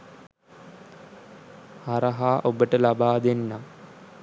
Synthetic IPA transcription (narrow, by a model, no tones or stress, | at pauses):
haɾəɦaːʔobəʈəlabaːd̪enːa